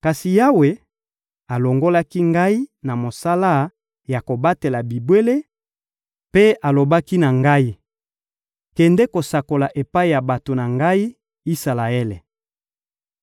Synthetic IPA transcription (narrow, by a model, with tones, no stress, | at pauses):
ka˨si˨ja˦we˨ | a˨lo˨ŋɡo˦la˦ki˦ŋɡa˦i˦na˨mo˨sa˦la˦ | ja˨ko˨ba˦te˨la˨bi˨bwe˦le˦ | pe˦a˨lo˨ba˦ki˦na˨ŋɡa˦i˦ | kɛ˨ndɛ˦ko˨sa˨ko˨la˨ʔe˨pa˦i˨ja˨ba˨to˨na˨ŋɡa˦i˦ | i˦sa˨la˨e˦le˨